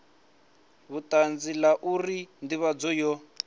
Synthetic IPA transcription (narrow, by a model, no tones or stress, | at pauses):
βutand͡zilaʔurindiβad͡zɔjɔ